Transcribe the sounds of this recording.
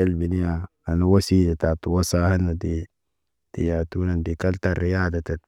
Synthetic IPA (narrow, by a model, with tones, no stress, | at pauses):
e˦lbi˨ni˦ja˨ | a˨na˨wa˦siː˦la˨ta˨tu˨wa˦sa˦ha˦na˨di˨ | d̥i˨ja˨tu˦na˨ndi˨ka˦lta˨ɾi˨jaː˦da˨ta˨t̚